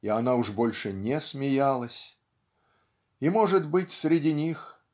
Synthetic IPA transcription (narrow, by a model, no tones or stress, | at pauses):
ianaʊʐbo̞lʲʂɨnʲɛsmʲɪjalˠəsʲ | imoʐɨt̪bɨtʲsɾʲɪdʲinʲix